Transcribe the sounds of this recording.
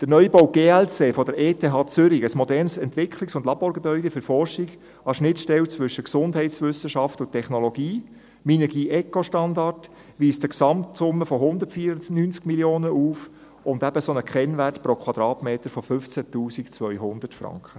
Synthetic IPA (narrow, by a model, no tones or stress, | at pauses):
d̪̥əɾnœʏbɔwɡ̥eːɛlt͡seːfɔdəɾeːtʰeːɦɑːt͡sʏɾiəsmɔdɛrnsɛntʋɪkʰlɪksʊndlɑb̥oːɾɡebœʏdefʏɾfɔrʃɪɡ | ɑʃnɪtʃtɛwt͡sʋʏʃəksʊndɦhɛɪtsʋʏsəʃɑftʊntʰːɛχnoloɡiː | minɛɡiːʔɛkoʃtɑndɑrt | ʋiːstəksɑmtsʊmːəfɔɦʊnd̪ətfiːɾʊnnynt͡skmiljoːnəʔuːf | ʊndæb̥əsonəkχɛnʋætpɾokʰwɑd̥̪ɾɑːtmeːtəɾfofʏft͡sætuːsikt͡sʋœʏɦʊnd̪ətfɾɑ̰ŋkχə